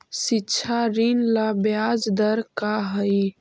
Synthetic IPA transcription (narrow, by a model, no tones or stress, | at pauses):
sitːt͡ʃʰaɾinlabjad͡ʒd̪əɾkaɦəj